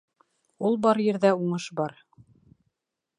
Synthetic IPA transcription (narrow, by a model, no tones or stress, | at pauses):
ulˠbɑɾjɘ̆ɾðæuɴɤʃbɑɾ